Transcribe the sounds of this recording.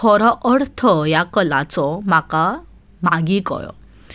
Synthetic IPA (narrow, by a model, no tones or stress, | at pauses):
kʰɔɾɔʔəɽt̪ʰɔjakəlat͡sɔmaka | maɡikɔ̰jɔ̰